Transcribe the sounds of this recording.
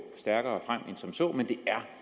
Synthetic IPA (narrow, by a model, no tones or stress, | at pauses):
sd̥æɐɡ̥ɐːɒfʁam̰ensɒ̽msɔ̰ːmend̥e̝æɐ